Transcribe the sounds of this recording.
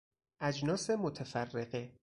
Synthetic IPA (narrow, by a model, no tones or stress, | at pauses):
ʔæd͡ʒnɒːsemot̪ʰefærːeɢe